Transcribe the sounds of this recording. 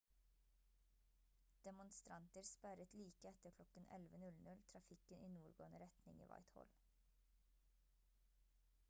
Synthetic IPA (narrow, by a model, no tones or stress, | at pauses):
d̪̥ɛmʊnst̪ɾɑnt̪əɾspæɾət̪liːkəɛt̪əkʰlɔkənɛ̰lʋənʉlnʉlt̪ʰɾɑfɪkəniːnuːɾɡo̰ːnəɾɛt̪nɪ̰ŋḭːʋɑ̰ɪt̪hɔ̰l